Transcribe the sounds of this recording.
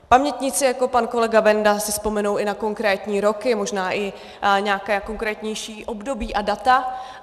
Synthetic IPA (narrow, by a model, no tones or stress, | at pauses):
pamɲɛt̪ɲɪt͡sɪjako̞panko̞lɛɡavɛndasɪspo̞mɛnowɪnako̞ŋkɾɛːt̪ɲiːɾo̞kɪmo̞ʒnaːʔɪ | ɲaːkɛːko̞ŋkɾɛːt̪ɲɛjʃiːʔo̞bdo̞biːʔadat̪a